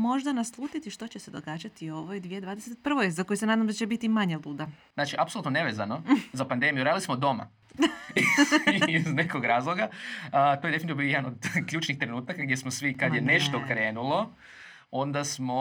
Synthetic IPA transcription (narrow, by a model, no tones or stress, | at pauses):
mo̞ʒd̪anaslˠuːt̪it̪iʃt̪o̞t͡ɕese̞d̪oɡaːd͡ʑat̪ioʋojd̪ʋjed̪ʋaːd̪eset̪̚pr̩ʋojzako̞jisenaːd̪amd̪at͡ɕe̞bit̪imaɲebud̪aznaːt͡ʃiʔapsolˠuːt̪none̞ʋe̞zano̞zapand̪e̞mijuɾaːd̪ilismod̪o̞ma̰ | d̪a | iznekoɡɾaːzlˠo̞ɡat̪oj̪efint̪iʋbiojed̪anod̪kʎuːt͡ʃnixt̪ɾe̞nuːt̪akaɡd̪jesmosʋikad̪je̞ne̞ʃt̪o̞kɾe̞ːnulˠo̞ | ond̪asmo